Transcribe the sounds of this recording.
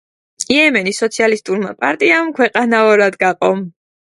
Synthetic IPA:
iɛmɛnisɔt̪sʰialist̪ʼuɾma̰pʼaɾt̪ʼiamkʰwɛqʼanaɔɾad̪ɡaqʼɔm

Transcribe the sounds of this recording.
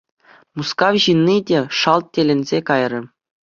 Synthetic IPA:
muskɑwʑinʲːidʲeʂɑlˠt̪̚tʲelʲɘ̆nʲzʲekɑjrɤ̆

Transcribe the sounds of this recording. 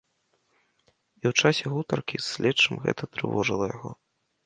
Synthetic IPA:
iwt͡ʂasʲɛɣut̪ɐrkʲisːʲlʲɛt͡ʂːɨmɣɛ̰t̪ɐt̪ɾɨ̰vɔʐɨlˠɐjaɣɔ

